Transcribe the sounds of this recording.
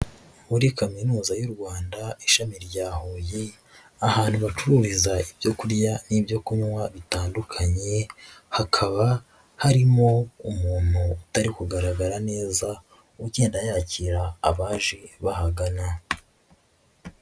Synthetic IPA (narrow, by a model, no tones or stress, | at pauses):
uɾikaminuːzajuɾɡwaːndaiʃamiɾɟaːhoje | ahaːn̥huβat͡ʃuɾuɾizaibjo̞kuɾjaniːbjo̞kumwaβitaːndukʰaɲe̞hakʰaβa | haɾimo̞umuːn̥huːtaɾikuɡaɾaɡaɾane̞ːza | uɟe̞ːndajaːciɾa̰ːβaːʒeβahaɡana